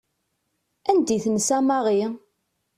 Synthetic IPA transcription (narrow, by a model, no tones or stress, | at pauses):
ænd̪iθənsæmɑʁi